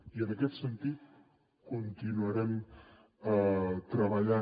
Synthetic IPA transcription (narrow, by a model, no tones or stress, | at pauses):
iənəkɛt̪sənt̪it̪̚ | kunt̪inuəɾɛm | ət̪ɾəβəʎa